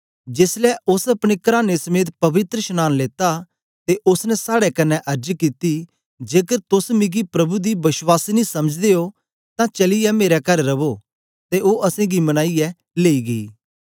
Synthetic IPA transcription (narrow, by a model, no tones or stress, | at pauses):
d͡ʒɪslɛʊsɐpɽ̃ekɐɾaːnesɐmeːt̪pɐʋɪt̪ɾəʃɐnaːnleːt̪a | t̪eʔʊsnɛ̃saːɽɛkɐnːɛʔɐɾd͡ʒkit̪i | d͡ʒeːkəɾt̪ʊsmɪ̃ɡipɾɐbud̪ibɪswaːsinĩsɐməd͡ʒd̪eo | t̪ãt͡ʃɐlɪjɛmeːɾɛkɐɾːɐʋo | t̪eʔoːʔɐsẽːɡimɐñaːijɛ | leːiɡɐḭː